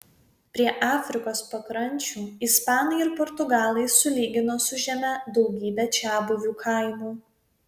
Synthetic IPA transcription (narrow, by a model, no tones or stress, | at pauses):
pʲɾʲiɛʔɑːfʲɾʲɪkoːspɐkɾɐnʲt͡ʃʲuːɪspɑːnɐɪɪɾpɔɾt̪ʊɡɑːlˠɐɪsʊlʲiːɡʲɪnoːsʊʒʲɛmʲɛd̪ɒʊɡʲiːbʲɛt͡ʃʲæːbʊʋʲuːkʰɐɪmuː